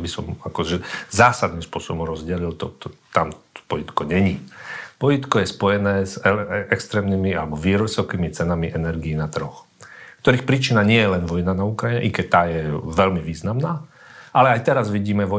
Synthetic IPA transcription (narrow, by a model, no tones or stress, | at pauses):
bisɔmakɔʒɛzaːsad̪nimspʊɔsɔbɔmɾɔzɟɛlilt̪ɔt̪ɔt̪amɔ̥pɔjit̪kɔɲɛɲipɔjit̪kɔjɛspɔjɛnɛːzɛɛkst̪ɾɛːmnimialɛbɔʋiːɾɔsɔʊkimit͡sɛnamiʔɛnɛɾɡiːnat̪ɾ̩ɦɔx | kt̪ɔɾiːxpɾiːt͡ʃinaɲɪɛjɛlɛnʋɔjnanaukɾaiɲɛ̰ʔikɛc̚t̪ːaːjɛʋɛlmiʋiːznamnaː | ʔalɛajt̪ɛɾazʋiɟiːmɛʋɔ